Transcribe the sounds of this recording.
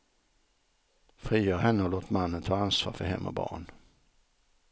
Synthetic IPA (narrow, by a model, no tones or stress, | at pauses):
fɾiːjœːɾɦɛnːəɔloːt̪manːənt̪ʰɑːansvɑ̰ːɾfœɾɦɛ̰mːʔɔ̰bɑ̰ːɳ